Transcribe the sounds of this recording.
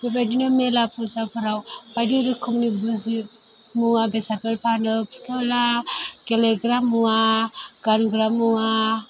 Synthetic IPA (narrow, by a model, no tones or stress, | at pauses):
bebajdinɔmelapʰuzapʰɯɾawb̥ajdiɾɯkʰɯmnibuzi | muabesapelpʰanɯpʰtʰɔlakeleɡɾamːuaɡ̥anɡɾamːua